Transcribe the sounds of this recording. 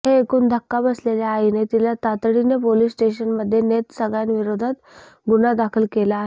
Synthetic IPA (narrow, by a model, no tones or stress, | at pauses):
ɦeːkuːnd̪ʱəkːabəsleljaːinet̪ilat̪at̪ɽinepolisːʈeɕənməd̪ʱːjenet̪səɡɭjanʋiɾod̪ʱat̪ | ɡunad̪akʰəlkelaːɦe